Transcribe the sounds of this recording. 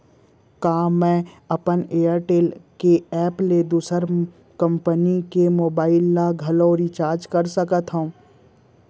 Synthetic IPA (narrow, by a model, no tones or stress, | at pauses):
kaːmɛ̃ | ɐpəneːəɾʈeːlkeɛːpled̪uːsəɾ | kɐ̃mpənikemoːbaːɪlːaɡʱɐloɾit͡ʃaːɾd͡ʒkɐɾsɐkət̪ɦõː